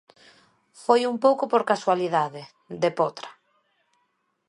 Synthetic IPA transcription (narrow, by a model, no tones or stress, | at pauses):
fojumpowkopoɾkaswaliðaðɪ | d̪epɔt̪ɾḁ